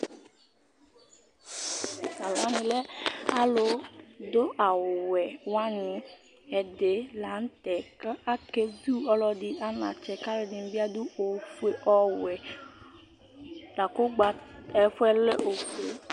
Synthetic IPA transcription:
sa˨la˨˦mĩ˨lɛ˦a˦lo˨d̪o˦ʔa˨wo˨wɛ˨wa˦nĩ˨ | ɛ˨de˨la˨˦n̩˦t̪ɛ˨ka˦a˦ke˦du˦ɔ˦lɔ˦di˦a˦nã̰˨t͡ʃɛ˨ka˦ɾe˨di˨n˨˦bi˦a˦d̪u˦o˨fe˦ʔɔ˦wɛ˨ | la˨ko˦ɡ͡ba˨ɛ˨fɛ˦le˦ʔo˨fe˦

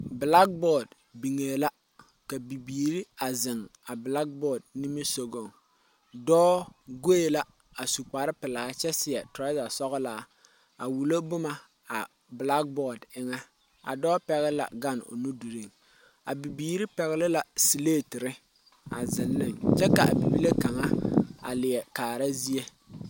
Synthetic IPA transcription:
bla˦k̚bɔ˦˨d | bi˨ŋeː˨la˦ | ka˨bi˨biː˨ɾi˦a˨zɪ˨ŋa˨bla˦k̚bɔː˦˨d̚ni˦mi˦so˨ɡo˦˨ŋ | dɔː˦ɡo˦e˨la˦ | a˨su˨k͡pa˨ɾɪ˦pɪ˨laː˨˦t͡ʃɛ˦sɪ˨ɛ˨tɾa˦da˨sɔ˦ɣɔ˦laː˨˦ | a˨wu˨lo˦bʊ˦ma˨ | a˨ | bla˦k̚bɔ˦˨dɪ˦ŋɛ˦ | a̰˨dɔː˦pɛ˨ɣɪ˦la̰˨ɡa˦˨no̰˨nu˦du˨ɾi˦˨ŋ | a̰˨bi˨biː˨ɾɪ˦pɛ˨ɣɪ˦lɪ˦la˨si˨leː˦˨tɪ˨ɾɪ˦ | a̰˨zɪ˨nːɪ˦ŋt͡ʃɛ˦ka˨ʔa̰˨bi˨bi˦le˦ka˨ŋa˦a̰˨lɪ˨jɛ˨kaː˨ɾa˦zi˦e˦

